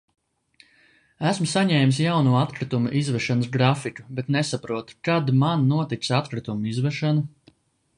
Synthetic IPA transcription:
æsmusaɲɛːmisjawnuːat̪kɾit̪umuʔizvɛʃanəsɡɾafikubet̪nesapɾuɔt̪kad̪mannːuɔt̪it̪sat̪kɾit̪umuizvɛʃanu

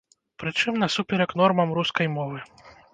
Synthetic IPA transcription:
pɾɨt͡ʂɨmnɐsupʲɛɾɐknɔrmɐmɾuskɐjmɔvɨ

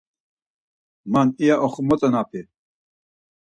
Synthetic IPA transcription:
manijaʔɔχmɔt͡sʼɔnapʰi

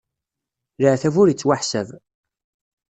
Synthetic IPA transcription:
ləʕθævʊɾət͡sːwaħsæv

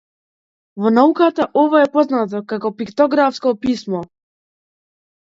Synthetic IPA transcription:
vɔnaukat̪aʔɔvɔɛpɔznat̪̬ɔkakɔpikt̪ɔɡɾafskɔpismɔ

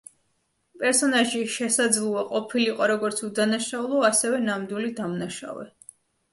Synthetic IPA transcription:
pʼɛɾsɔnaʒiʃɛsad̪zlˠuaqʼɔpʰiliqʼɔɾɔɡɔɾt̪sʰud̪anaʃaulˠɔasɛvɛnamd̪wilid̪amnaʃa̰vɛ̰

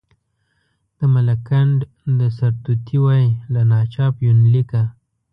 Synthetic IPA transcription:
d̪̥əmalakaɳɖ | d̪əsaɾt̪ut̪ʰiwajlanɑt͡ʃɑpjunlika

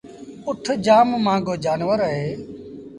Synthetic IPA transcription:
ʊʈʰd͡ʒaːmmãːɡoːd͡ʒaːnʋəɾəɦeː

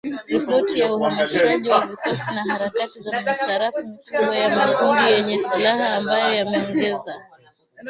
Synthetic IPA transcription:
ɾipɔtijauhamaʃiaʄiwavikɔsinaɦaɾakatizamasaɾafumikuɓwajamakundijɛɲɛsilaɦaːmbajɔjamɛɔŋɡɛza

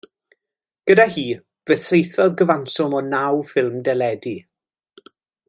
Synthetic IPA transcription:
ɡ̥ədahiː | vəθejθɔðɡəvansɔmɔnawfɪlˠmdɛlɛdi

